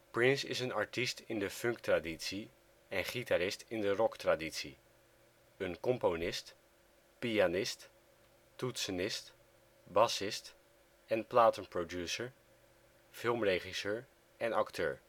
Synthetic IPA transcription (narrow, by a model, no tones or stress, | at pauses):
pɹɪnsɪ̰sənɑɹtistɪndəfɵŋktraditsi | ɛnχitaɾɪstɪndərɔktraditsi | ənkɔmponɪst | pianɪst | tutsənɪst | bɑsɪst | ɛnplaːtənprodjusəɹ | fɪlˠmreχisəːɹ | ɛnɑktʰø̰ːɹ